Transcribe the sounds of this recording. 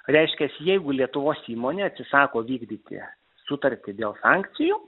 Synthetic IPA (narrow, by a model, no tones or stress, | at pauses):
ɾʲɛɪʃʲkʲɛsjɛɪɡʊlʲiɛt̪ʊʋoːsiːmoːnʲeːɐt̪ʲsʲɪsɑːkoːʋʲiːɡd̪ʲiːt̪ʲɪ̰ | sʊt̪ɐɾʲt̪ʲɪd̪ʲeːlˠsɑːŋkt̪sʲɪju